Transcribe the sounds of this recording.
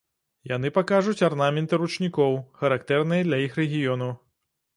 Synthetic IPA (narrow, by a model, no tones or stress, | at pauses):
jan̪ɨpakaʐut͡sʲarnamʲɛnt̪ɨɾut͡ʂnʲikɔwxɐɾakt̪ɛrnɨjɛd̪lʲɐjixrɛɣʲijɔnɐw